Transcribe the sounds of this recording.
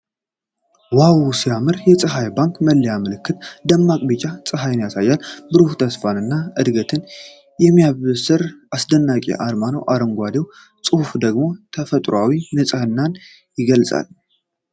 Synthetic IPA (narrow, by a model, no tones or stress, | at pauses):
wawusijamɨɾjɛt͡sʼɨɦajbaŋkməlːəjamɨlɨkːɨt̪d̪əmːakʼbɨt͡ʃʼat͡sʼɨɦajnjasajːalbɨɾufut̪ʰəsfanɨnːaɨd̪ɡət̪ʰɨn | jɛmːijaβsɨɾʔasd̪ənːakʼḛʔaɾmano̰wʔaɾɨŋɡʷad̪ew | t͡sʼɨhufd̪əɡmo̞t̪ʰəfət̪ʼɾawinɨt͡sʼhɨnːan | jɪɡəlsʼa̰l